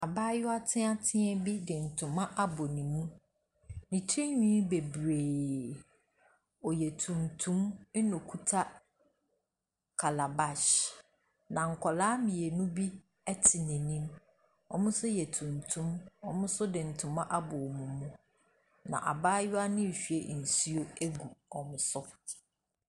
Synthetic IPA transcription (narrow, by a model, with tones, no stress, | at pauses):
a˨baː˦jʊ˦a˦tʰɪ̃˦a˦tʰɪ̃˦ɛ˦bi˦dɪ̃˨n̩˨tʰʊ̃˨mã˦ʔa˦bɔ˨nĩ˨mũ˦ | nĩ˨tʰe˦ɲᶣĩ˦be˨bɾeː˨ | ɔ˨jɛ˨tʰũ˨ntʰũ˦m˦nɔ̃˨kʰu˦tʰa˦ | kʰa˨la˨ba˨ʃ | nã˨ŋ̩˨kʰɔ˨laː˦mĩ˨e˨nũ˦bi˦ | ɛ˦tʰɪ˨nɛ̃˨nĩ˦m | ɔ̰˨mʊ̃˦sʊ˦jɛ˨tʰũ˨ntʰũ˦mɔ˨mʊ̃˦sʊ˦dɪ˨n̩˨tʰʊ̃˨mã˦ʔa˦bʊ˨ɔ˨mũ˨mũ˦ | nã̰˨ʔa̰˨baː˦jʊ˦a˦nɪ̃˦˨ɕᶣɥe˦˨n̩˨si˦o˦e˦ɡu˨ɔ˨mʊ̃˨sʊ˦